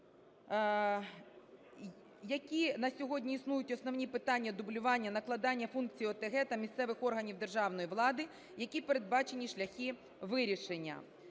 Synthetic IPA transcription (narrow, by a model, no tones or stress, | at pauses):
jɐkʲinɐsʲɔɦɔdʲnʲiːsnujʊtʲɔsnɔwnʲipɪt̪ɑnʲːɐd̪ʊblʲʊʋɑnʲːɐnɐklˠɐd̪ɑnʲːɐfunk̚t͡sʲijːɔt̪eɦɛt̪ɐmʲist̪sɛʋɪxɔrɦɐnʲiwd̪e̞rʒɑwnɔjiʋlˠɑd̪ɪ | jɐkʲipeɾed̪̚bɑt͡ʃe̞nʲiʃlʲɐxʲi | ʋɪɾʲiʃenʲːɐ̰